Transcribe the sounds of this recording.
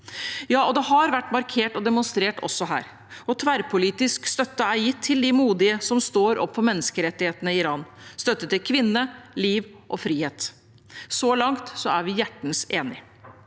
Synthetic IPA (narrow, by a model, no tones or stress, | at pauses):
jɑːɔd̪ɛɦɑɾʋæʈːmɑɾkʰeːʈɔd̪ɛmʊnst̪ɾeːʈɔ̰sːɔɦæ̰ːɾ | ɔt̪ʰʋæɾpʰʊliːt̪ɪskst̪œt̪ːəæɾjɪt̪ʰːɪld̪ɪmuːd̪ɪəsɔmst̪oːɾʔɔ̰pʰːfɔmɛnːəskəɾɛt̪ːɪheːt̪ənəɪɪɾɑːnst̪œt̪ːət̪ːɪlkʰʋɪnːəliːʋʔɔfɾiːheːt̪ | sɔlɑŋt̪sɔæɾʋɪjæʈːn̩seːnɪ